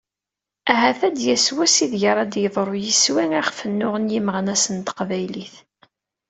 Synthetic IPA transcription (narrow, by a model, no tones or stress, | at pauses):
æɦæθæd̪jæswæsiðʝəɾˤæd̪jəðˤɾˤojəswiŋæχfənːʊʁənjiməʁnæsənt̪ə̥qvæjliθ